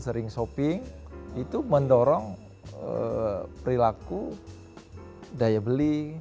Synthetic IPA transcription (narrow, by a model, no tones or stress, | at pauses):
səɾɪŋsopɪŋit̪uməndɔɾɔŋ | əpɾilaku | dajabəli